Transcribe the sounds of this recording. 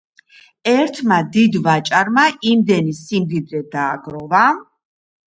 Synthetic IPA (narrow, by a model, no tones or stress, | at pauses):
ɛɾt̪ʰmad̪id̪vat͡ʃʼaɾmaʔimd̪ɛnisimd̪id̪ɾɛd̪aːɡɾɔva